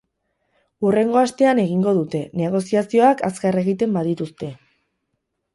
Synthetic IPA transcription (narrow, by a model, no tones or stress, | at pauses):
ure̞ŋɡo̞ast̪e̞ane̞ɣ̞iŋɡo̞ðut̪e̞ne̞ɣ̞o̞siasio̞akaskare̞ɣ̞it̪e̞mbaðit̪ust̪e̞